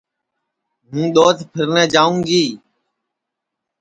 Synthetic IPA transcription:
mũːɗ̪oːt̪ʰpʰɪɾnɛːd͡ʒaːũːɡiː

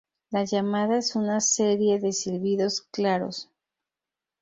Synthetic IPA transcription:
laʝamaðaesunaseɾje̞ðe̞siɾβiðo̞sklaɾo̰s

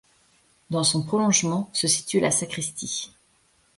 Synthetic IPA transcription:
d̪ɑ̃sɔ̃pχɔlɔ̃ʒmɑ̃səsi̥t̪ylasakχist̪i

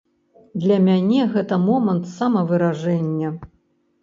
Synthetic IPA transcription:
d̪lʲɐmʲanʲɛɣɛt̪ɐmɔmɐnt̪samɐvɨɾaʐɛnʲːɐ

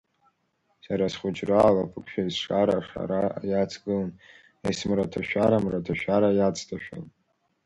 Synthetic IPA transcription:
saɾasχʷʊd͡ʒraːlapʰɨkʷʰʼʃᶣaizʂaɾaʂa̰ɾajat͡sʰɡɨlan | ajsmratʰaʃᶣaɾamratʰaʃᶣaɾajat͡sʰtʰaʃᶣa̰n

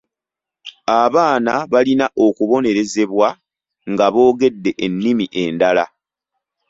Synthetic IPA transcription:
aβaːnaβalinaʔo̞kuβo̞ne̞ɾe̞ze̞βwa | ŋɡaβo̞ːɡe̞dːe̞ʔenːimiʔe̞ndala

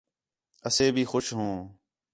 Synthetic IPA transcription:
əseːbʱiːxʊʃɦõː

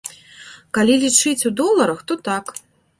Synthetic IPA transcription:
kalʲilʲit͡ʂɨt͡sʲud̪ɔlˠɐɾɐxt̪ɔt̪ak

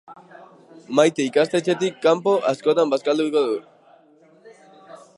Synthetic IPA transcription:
majt̪eikast̪e̞t͡ʃe̞t̪ikːampo̞ʔasko̞t̪ambaskald̪uikoðu

